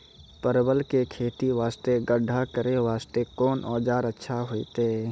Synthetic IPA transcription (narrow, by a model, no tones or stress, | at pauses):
pəɾbəlkekʰeːt̪iʋaːst̪eɡəɖʱakəɾeʋaːst̪ekɔːnʔɔːd͡ʒaːɾətːʃʰaɦoːit̪e